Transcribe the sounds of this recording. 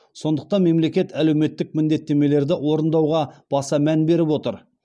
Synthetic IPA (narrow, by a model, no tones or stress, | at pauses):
so̞nd̪əq̚t̪ɑnme̞mle̞kʲe̞t̪ʰæle̞wme̞t̪ːɪk̚mɪnd̪e̞t̪ːe̞me̞le̞ɾd̪ɪwo̞ɾənd̪ɑwʁɑb̥ɑsɑmænbe̞ɾɪpwo̞t̪əɾ